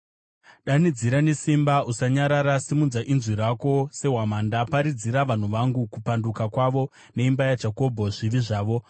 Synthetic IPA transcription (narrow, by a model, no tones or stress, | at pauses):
ɗanid͡ziɾane̞simbausaɲaɾaɾasimunzaʔinzwiɾako̞se̞ɦwamandapaɾid͡ziɾaʋan̤uʋaŋɡukupandukakwaʋo̞ | ne̞imbajad͡ʒako̞bʱo̞ʐiʋiʐaːʋo̞